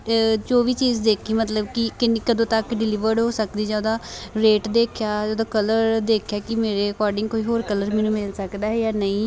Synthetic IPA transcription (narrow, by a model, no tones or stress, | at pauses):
t͡ʃoːʋiːt͡ʃiːzd̪eːkʰiːmət̪ləbkɪkɪnkəd̪õːt̪əkɖɪlɪʋəɾɖɦoːsəkd̪iːd͡ʒaːd̪aːɾeːʈd̪eːkʰjaːoːd̪õːkələɾd̪eːkʰjaːkɪmeːɾeːəkɔːɾɖɪ̃ŋɡkoːiːɦoːɾkələɾmɛːnũːmɪlsəkd̪aːɦɛːjaːnəĩː